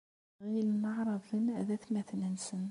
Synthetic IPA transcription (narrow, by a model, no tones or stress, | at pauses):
ʁilnəʕɾˤɑðˤənæðæθmæθnənsən